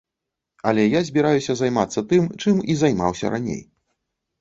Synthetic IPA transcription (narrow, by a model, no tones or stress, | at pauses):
ɐlʲɛjazʲbʲiɾajusʲɐzajmat̪sːɐt̪ɨmt͡ʂɨmizajma̰wsʲɐ̰ɾanʲḛj